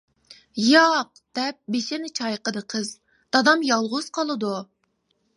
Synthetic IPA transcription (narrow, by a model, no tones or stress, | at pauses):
jɑq | d̪̥ɛp̚beʃɪnɪt͡ʃʰɑjqəd̪əqʰəz | d̪̥ɑd̪ɑmjɑlˠʁʊz̥qʰɑlˠɨd̪u